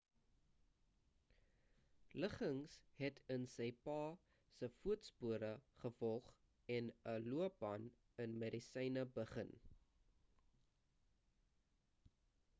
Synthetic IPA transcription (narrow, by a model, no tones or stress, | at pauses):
ləχəŋsɦɛtʰənsəjpɑː | səfuətspuəɾəχəfɔlˠχ | ɛnəluəpɐn | ənmədisɛjnəbəχən